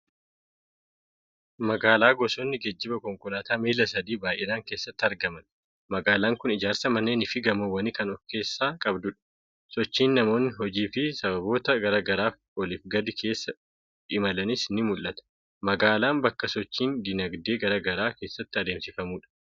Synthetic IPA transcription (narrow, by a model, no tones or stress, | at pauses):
mɐɡaːlaːɡɔsɔnːɪɡɐd͡ʒːɪbɐkɔŋkʊlaːt̪aːmiːlɐsɐd̪iːbaːjʔɛɾaːŋke̞ːsːɐt̪ːɪɐɾɡɐmɐn | mɐɡaːlaːŋkʊnɪd͡ʒaːɾsɐmɐnːe̞ːnɪfɪɡɐmowɐniːkɐnɔfke̞ːsːaːkʼɐbd̪ʊᶑɐ̥ | sɔt͡ʃːiːnːɐmo̞ːnːɪɦɔd͡ʒiːfɪsɐbɐbo̞ːt̪ɐɡɐɾaːɡɐɾaːf | ɔlɪfɡɐd̪ɪkʰe̞ːsːɐ | ᶑɪmɐlɐnɪsɪnːɪmʊlʔɐt̪ɐ̥ | mɐɡaːlaːnbɐkːɐsɔt͡ʃːiːnd̪ɪnɐɡd̪e̞ːɡɐɾaːɡɐɾaːke̞ːsːɐt̪ːɪɐd̪eːmsɪfɐmuːᶑɐ̥